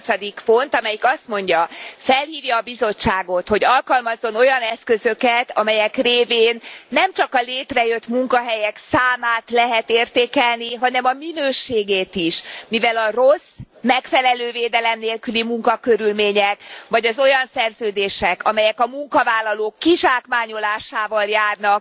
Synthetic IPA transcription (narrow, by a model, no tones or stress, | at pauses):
sɒd̪ikpo̞nt̪ɒmɛjikɒst̪mo̞ɲɟɒfɛlhiːvjɒːbizo̞t͡ʃːaːɡo̞t̪ho̞ɟɒlkɒlmɒzːo̞no̞jɒnɛskø̞zø̞kɛt̪ɒ̰mɛjɛkreːveːnːɛmt͡ʃɒkɒleːt̪rɛjø̞t̪muŋkɒɦɛjɛksaːmaːt̪lɛɦɛt̪eːrt̪eːkɛlniɦɒnɛmɒminøːʃeːɡeːt̪iʃmivɛlɒros | mɛkfɛlɛløːveːd̪ɛlɛmneːlkylimuŋkɒkøɾylmeːɲɛkvɒɟɒzo̞jɒnsɛrzøːd̪eːʃɛkɒmɛjɛkɒmuŋkɒvaːlːɒloːkːiʃaːkmaːɲo̞laːʃaːvɒljaːrnɒk